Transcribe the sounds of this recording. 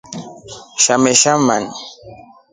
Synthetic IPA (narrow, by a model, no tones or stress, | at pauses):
ʃamɛʃaman